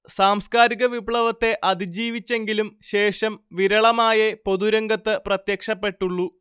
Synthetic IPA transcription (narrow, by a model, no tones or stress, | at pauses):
saːmskaːɾiɣɐʋibɭɐʋɐt̪ːe̞ʔɐd̪id͡ʑiːʋit͡ɕːe̞ŋɡilumɕe̞ːʂɐmʋiɾɐɭɐmaːjɐpo̞ðuɾɐŋɡɐt̪ːɨprɐt̪jɐkʂɐpːe̞ʈːuɭːu